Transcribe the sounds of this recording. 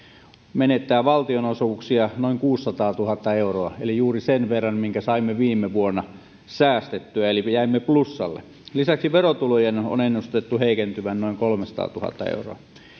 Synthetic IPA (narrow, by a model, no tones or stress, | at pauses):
menet̪ːæːʋɑlt̪ionosuːksiɑnoiŋkuːsːɑt̪ɑːt̪uhɑt̪ːɑeuroɑḛlijuːrisenʋerːɑnmiŋkæsɑimːeʋiːmːeʋuonːɑ | sæːst̪et̪ːyæelijæimːeplusːɑlːḛ | lisæksiʋerot̪ulojeno̰nenːust̪et̪ːuheˑikent̪yʋænnoˑiŋkolmesɑ̥t̪ɑ̰ːt̪uhɑ̰t̪ːɑ̰ḛuro̰ɑ